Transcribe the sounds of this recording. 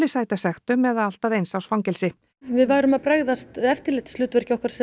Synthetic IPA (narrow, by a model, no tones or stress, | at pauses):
lɪsaːjt̪asɛxt̪ʏmɛðaal̥t̪aðejnsawsfawŋcɛlsɪ | vɪðvaːjɾʏmaðpɾaːɣðast̪ɛft̪ɪɾlɪht̪lʏːt̪vɛɾ̥cɪɔkaɾsɛ